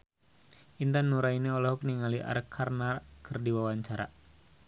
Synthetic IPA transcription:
int̪anːuɾainiɔlɔɦɔk̚niŋaliʔa̰ɾkʰarnakʰɨrdiwawaɲt͡ʃaɾa̰

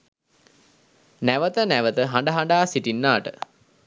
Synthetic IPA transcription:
næʋət̪ənæʋət̪əɦaɳɖəɦaɳɖaːsiʈinːaːʈə̰

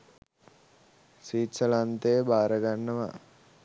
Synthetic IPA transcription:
siːsəlant̪ebaːɾəɡanːəʋa̰

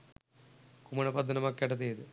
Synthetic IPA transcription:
kumɐɳɐpɐd̪ʱːɐnɐmɐkːeʈɐt̪ejd̪ɨ

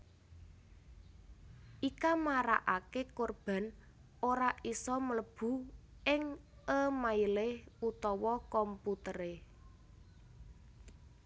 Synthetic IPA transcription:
ʔikamaɾaʔakekorb̥a̤n | oɾaʔisɔmələb̥ṳɪŋʔəmaileut̪ɔwɔkɔmput̪əɾe

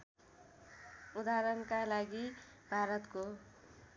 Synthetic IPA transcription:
ud̪aɾʌnkalaɡi | bʱaɾʌt̪ko

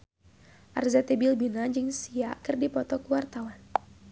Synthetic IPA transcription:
ʔa̰rzɛt̪ebilbinad͡ʒɨŋsiakɨrdipɔt̪ɔkuwart̪awan

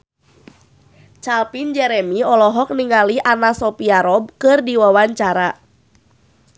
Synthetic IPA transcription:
t͡ʃalpind͡ʒɛɾɛmiɔlɔɦɔk̚niŋaliʔanasɔpiaɾɔb̚kɨrdiwawaɲt͡ʃaɾa

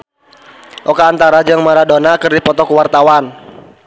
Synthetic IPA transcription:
ʔɔkaːnt̪aɾad͡ʒɨŋmaɾadonakɨrdipɔt̪ɔkəwart̪awan

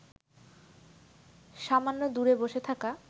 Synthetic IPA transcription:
ʃamanːod̪uɾeboʃet̪ʰaka

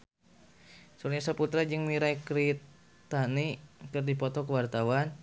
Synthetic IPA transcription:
suɾɲasəput̪ɾad͡ʒɨŋmiɾaikɾit̪ | t̪anikɨrdipɔt̪ɔkəwart̪awan

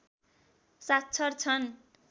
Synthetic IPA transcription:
sat̪t͡sʰʌrt͡sʰʌn

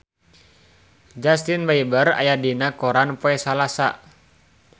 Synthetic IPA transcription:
d͡ʒast̪inbaibəra̰jadinakɔɾanpoɛsalasa̰

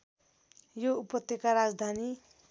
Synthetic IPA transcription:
joupʌt̪ːjekaɾad͡zd̪ʱani

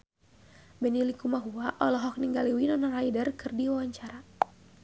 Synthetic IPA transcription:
bɛnilikumaɦuaʔɔlɔɦɔk̚niŋɡaliwinɔnaɾaidərkɨrdiwawaɲt͡ʃaɾa

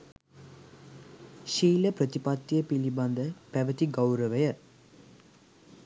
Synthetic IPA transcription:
ʃiːləpɾət̪ipat̪ːjəpiliband̪əpæʋət̪iɡawɾəʋəjə

